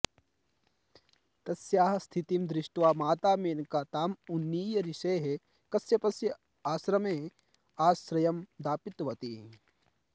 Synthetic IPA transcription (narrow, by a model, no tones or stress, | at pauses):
t̪ɐsjaːɦɐst̪ʰit̪imd̪ɾɪʃʈʋaːmaːt̪aːmeːnkat̪aːmunːiːjɐɾiʃeːɦe | kɐsjɐpɐsjɐ | aːsɾɐmeː | aːsɾɐjɐmd̪aːpit̪ʋɐt̪iː